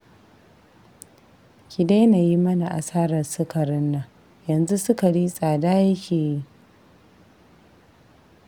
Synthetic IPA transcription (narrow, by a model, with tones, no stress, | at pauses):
kʲi˨de˦na˨ji˦mɐ˦na˨ʔa˨saː˦ɾɐ˨rsʊ˦kɐ˨ɾɪ˦nːa˨ | jɐ˨nzu˦sʊ˦ka˨ɽiː˦sʼaː˨daː˦jɐ˦kʲʰeː˨ji˦